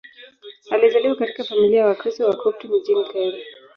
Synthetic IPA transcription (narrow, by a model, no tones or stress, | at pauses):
alizaliwakati̥kafamiliawakɾistɔwakɾip̚tɔm̩d͡ʒintaili